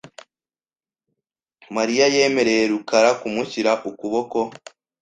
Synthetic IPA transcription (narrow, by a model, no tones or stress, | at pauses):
maɾijaje̞ːme̞ɾe̞je̞ɾukaɾakumuçiɾaʔukuβo̞ko̞